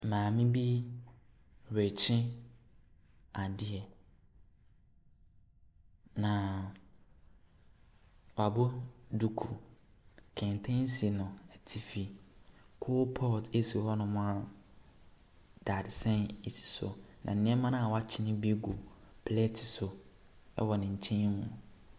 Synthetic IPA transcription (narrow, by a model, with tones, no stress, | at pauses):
mãː˨mĩ˦bi˦ | ɾe˨t͡ɕʰɪ̃˦ | a˨dɪ˦ɛ˨ | nã˨ | wa˨bʊ˦du˨kʰu˨ | kʰɛ̃˨n˨tʰɛ̃˦n˦si˨nʊ̃˨ɛ˨tʰi˨fi˨kʰʊ˦pʰɔ˦˨tʰe˦si˨hɔ˦nʊ̃˨mʊ̃˦a˦˨ | d̥a˨dɪ˨sɛ̃˦ne˨si̥˨so̰˨nʔã̰˨n̩˨nɪ̃˦ɛ˦mã˦nã˦a˨wa˦t͡ɕʰɪ˦nɪ̃˦bi˦ɡu˨pʰlɛ˦tʰi̥˨so˨ | ɛ̰˦wɔ˨nɪ̃˨ɲ̩˨t͡ɕʰɛ̃˦mũ˨